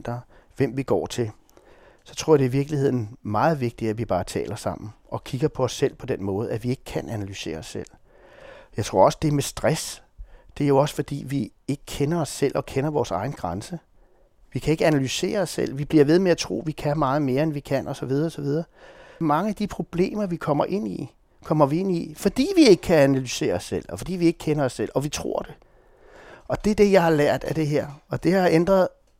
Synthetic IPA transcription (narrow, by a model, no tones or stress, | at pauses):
nd̥ɐʋem̰ʋiɡ̥ɒ̰ːt͡sʰe̝l | sɒ̽t͡sʰʁɔ̝ɐ̰deiʋiɐɡ̥lihe̝ð̞̰ˠn̩mɑ̈ːð̞̩ˠʋe̝ɡ̥̚d̥i̥æʋib̥ɑ̈ːt͡sʰɛ̰ːlɐsɑ̈m̰n̩ʔɒ̽kʰiɡ̥ɐpʰɒ̽ɒsːel̰pʰɒ̽d̥en̰mɔ̽ːð̞̩ˠæʋie̝ɡ̥ə̥kʰænʔænælyse̝̰ːɐɒsːel̰ | jɑɪt͡sʰʁo̝ɐɒ̽sd̥e̝mesd̥ʁasd̥e̝æɐjo̝ɒ̽sə̥fɒ̽d̥ḭːʋie̝ɡ̥əkʰenɐɒ̽sːel̰ʔɒ̽kʰenɐʋɒːsɑ̈ɪn̩ɡ̥ʁɑnsə | ʋikʰæeɡ̥əænælyse̝̰ːɐɒ̽sːel̰ʋib̥liɐʋe̝ð̞ˠmeæt͡sʰʁo̝̰ːʋikʰæmɑ̈ːð̞̩ˠme̝ːɐenʋikʰæn̰ɒ̽sɒ̽ʋið̞ˠɐɒ̽sɒʋið̞ˠɐːmɑ̈ŋəæd̥ipʰʁo̝b̥le̝̰ːmɐʋikʰɒ̽m̰ɐʔe̝n̰i | kʰɒ̽mɐʋie̝nifɒ̽d̥ḭːʋie̝ɡ̥əkʰæænælyse̝̰ːɐɒsːel̰ɒ̽fɒ̽d̥ḭːʋie̝ɡ̥ə̥kʰenɐɒ̽sːel̰ɒ̽ʋit͡sʰʁo̝ɐ̰d̥e̝ | ʔɒ̽d̥e̝ɐd̥e̝jɑ̈ɪhɑ̈læɐ̰d̥æd̥e̝ɦeɐ̰ɒ̽d̥e̝hɑ̈end̥ʁɐð̞̩ˠ